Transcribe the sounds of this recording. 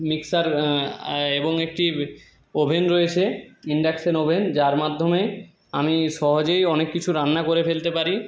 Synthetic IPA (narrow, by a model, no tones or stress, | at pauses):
miksaɾ | eboŋek̚ʈi | obʱenɾoet͡ɕʰeiɳɖeksenobʱend͡ʑaɾmad̪ʱːome | amiʃɔɦod͡ʑejɔnekːit͡ɕʰuɾanːakoɾefelt̪epaɾi